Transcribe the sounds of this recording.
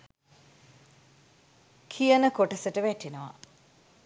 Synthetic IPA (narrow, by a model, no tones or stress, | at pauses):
kʰijənəkoʈəsəʈəʋæʈinəʋa̰